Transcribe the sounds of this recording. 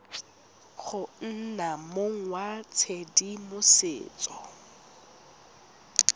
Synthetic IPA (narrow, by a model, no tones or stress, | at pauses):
k͡xʰʊn̩namoŋ̩wat͡sʰedimʊsḛːt͡sʼɔ